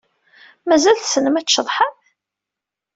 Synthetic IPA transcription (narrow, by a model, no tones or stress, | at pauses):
mæzælθsənəmæt͡sʃːəðˤħəm